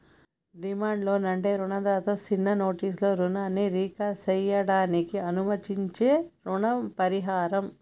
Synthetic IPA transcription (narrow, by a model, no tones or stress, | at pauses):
ɖimaːɳɖlo̞ːnɐɳʈeːɾuɳɐd̪aːt̪ɐːt͡ʃinːɐno̞ːʈiːs̬lo̞ːɾunaːnːiɾiːkat͡ʃɛjɐɽaːnikiɐnumɐt̪iɲt͡ʃe̞ːɾuɳɐmpɐɾiɦaːɾɐm